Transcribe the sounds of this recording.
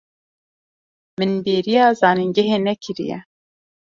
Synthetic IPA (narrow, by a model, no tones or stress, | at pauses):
mɨnbeːɾijɑːzɑːniŋɡɛɦeːnɛkʰɨɾḭjɛ̰